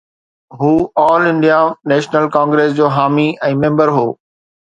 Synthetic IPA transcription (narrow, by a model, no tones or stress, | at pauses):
ɦuːɔːlɪ̃ɳɖijaneːʃnəlkãːŋɡɾeːsd͡ʑoːɦaːmiɛ̃ːmẽːmbəɾɦoː